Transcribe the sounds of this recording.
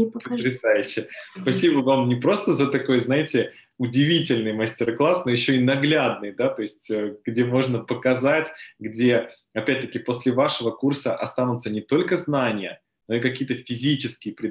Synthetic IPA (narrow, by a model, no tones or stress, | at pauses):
pət̪ɾʲɪsajʉɕːɪjəspɐsʲibəvamnʲɪpɾo̞st̪əzət̪ɐko̞jznajɪtʲɪ | ʊdʲɪvʲitʲɪlʲnɨjmɐsʲtʲɪrklˠasno̞jɪɕːo̞inɐɡlʲad̪̚nɨjd̪at̪o̞ɪsʲtʲəɡdʲe̞mo̞ʐnəpəkɐzatʲɡdʲe̞ | ɐpʲæt̚ʲt̪əkʲɪpo̞sʲlʲɪvaʂɨvəkursəʔɐst̪anʊt̪sənʲɪt̪o̞lʲkəznanʲɪjə | no̞ikɐkʲijət̪əfʲɪzʲit͡ɕɪskʲɪjəpɾʲɪ